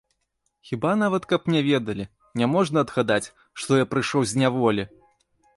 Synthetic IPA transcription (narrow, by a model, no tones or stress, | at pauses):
xʲibanavɐt̪kɐpnʲɛvʲɛd̪ɐlʲi | nʲamɔʐnɐɐd̪ɣad̪at͡sʲ | ʂt̪ɔjapɾɨʂɔwzʲnʲavɔlʲi